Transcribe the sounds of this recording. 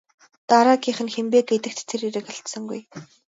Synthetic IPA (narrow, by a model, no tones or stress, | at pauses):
t̪aɾaːɡiːχɘ̆nxempeːɡ̚ɡet̪ɘ̆k̚t̪tʰːeɾiɾɘ̆kaɬt̪sə̆ŋɡuj